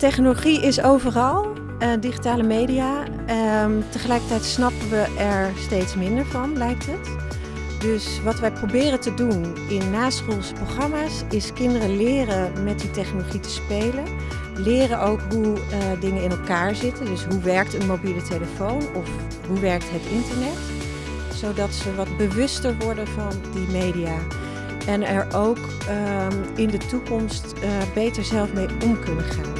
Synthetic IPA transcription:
tɛχnoloχiʔɪsowvərɑlˠ | diχitaːləmejdia | təχəlɛjkəɹtɛjtsnɑpəʋəʔɛɹstejtsmɪndəɹvɑnlɛjk̚tət | døs | ʋɑtʋɛjprowbɪːrəntədun | ɪnːaːsχulˠsə̥proχrɑmaːs | ɪskɪndərəlɪːrəmɛt̚ditɛχnoloχitə̥spejlən | lɪːrənʔowkɦudɪŋəɪnɛlˠkaːɹzɪtəndɵsɦuʋɛɹktənmowbiləteləfownɔf | ɦuʋɛɹk̚tɦətɪntəɹnɛt | sowdɑtsəʋɑdbəʋʏstəɹʋɔɹdəvɑndimejdijaː | ʔɛnɛɹowk | ɪndətukɔmstbejtəɹzɛlˠfmejɔmkɵnəχaːn

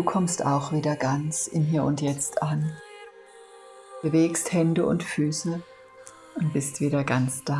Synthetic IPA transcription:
duːkʰɔmsta̰ʊxv̥iːdɐɡant͡sɪnɦiːɐʊntjɛt͡stʰʔan | b̥əveːksthɛndəʔʊ̰ntfyːsə | ʔʊntb̥ɪstv̥iːɾɐɡant͡sd̥aː

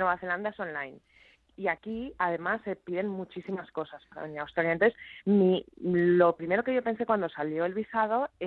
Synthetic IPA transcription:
nwe̞βaθeland̪aeso̞nlajn | iakiaðe̞masːe̞piðe̞nmut͡ʃisimasko̞saspaɾa̰eniawst̪ɾaljant̪oθesmilo̞pɾime̞ɾo̞ke̞ʝo̞pe̞nse̞kwand̪osaljo̞elβisað̞o̞e

